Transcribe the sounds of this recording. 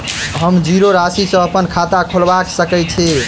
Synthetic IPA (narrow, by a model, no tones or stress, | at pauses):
ɦəmd͡ʒiɾoɾasisə̃əpənkʰat̪akʰolbaksəkɛt͡ʃʰɛ